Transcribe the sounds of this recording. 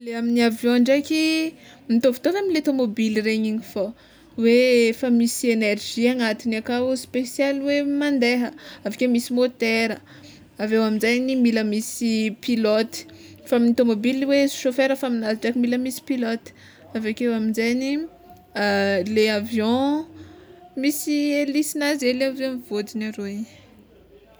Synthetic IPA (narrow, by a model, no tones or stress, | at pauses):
leaminiavjɔ̃ɳɖ͡ʐakʲi | mit̪ovi̥t̪onaminilet̪omobilireɲiɲifo | wefəmisienerʒ̥iaŋat̪inakauspesjalwemãnd̪eɦəavakemisimot̪eɾə | avewaminzajnimiləmisipilot̪i̥famint̪omobiliweʃofeɾəfaminaziʈ͡ʂakimiləmisi̥pilɔt̪i̥ | avakewaminzajni | leavjɔ̃ | misielisinazeleavjɔ̃iv̥od͡zinaɾoi̥